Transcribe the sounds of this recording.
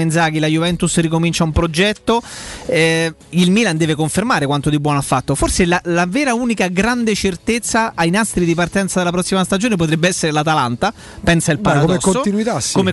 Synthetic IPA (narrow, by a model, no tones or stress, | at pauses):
end̪zaːk̟ilajuvɛnt̪usrikomint͡ʃaumpɾod͡ʒɛt̪ːoɛ | ilmiːland̪ɛːvekoɱfermaːɾekwant̪od̪ibwɔːnoafːat̪ːoforselalavɛːɾauːnikaɡɾand̪et͡ʃert̪et̪sːaːjnast̪ɾid̪ipart̪ɛnt̪sad̪elap̬ɾɔsːimast̪ad͡ʒoːnep̬ot̪ɾɛbːeɛsːeɾelat̪alant̪a | pɛnsailpaɾad̪meskonoinuit̪askːome